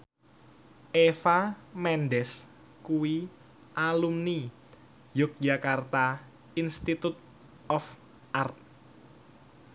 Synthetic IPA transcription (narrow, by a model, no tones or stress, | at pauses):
ʔefamɛnɖɛs | kuwi | ʔalumni | jʊk̚ʒakart̪a | inst̪it̪ut̪̚ | ɔf | ʔart̪̚